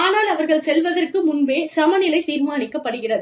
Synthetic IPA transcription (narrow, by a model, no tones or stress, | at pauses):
aːnaːlɐʋɐɾɣɐɭsɛlʋɐðɐrkɯmʊnbeːsɐmɐnɪlɐɪt̪iːɾmaːnɪkːɐpːɐɽɯɣɪrɐðɯ